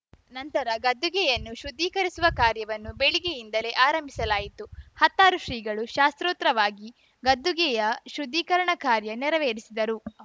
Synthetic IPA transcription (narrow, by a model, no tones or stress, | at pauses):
nɐnt̪ɐɾɐɡɐd̪ːuɡɛjɐnːuʃud̪ːiːkɐɾisuʋɐkaːɾjɐʋɐnːubeɭiɡejind̪ɐle̞ːʔaːɾɐmbʱisɐlaːjit̪uhɐt̪ːaːɾuʃɾiːɡɐɭuʃaːst̪ɾoːt̪ɾɐʋaːɡi | ɡɐd̪ːuɡɛjɐʃud̪ʱːiːkɐɾɐɳɐkaːɾjɐnɛɾɐʋeːɾisid̪ɐɾu